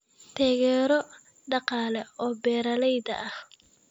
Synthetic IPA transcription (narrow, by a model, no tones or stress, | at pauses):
t̪ʰaːɣɛːɾɔ | ɖɑqɑːlɛɔːbɛːɾɐlɛjd̪ɐ̰ʔɐh